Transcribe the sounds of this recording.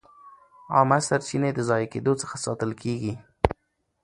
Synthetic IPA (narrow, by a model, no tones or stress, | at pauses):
ɑ̰masaɾt͡ʃined̪əzɑjked̪ot͡sə̥xasɑt̪əlkʰeɡi